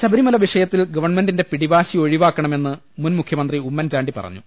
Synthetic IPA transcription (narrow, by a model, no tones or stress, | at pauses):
ɕɐbɐɾimɐlɐʋiʂɐjɐt̪ːilɡɐʋɐrɳmendinde̞piɽiʋaːɕio̞ɻiʋaːkːɐɳɐme̞nːɨ | munmukʰjɐmɐnd̪riumːɐnd͡ʑaːɳɖipɐ̰rɐ̰ɲːṵ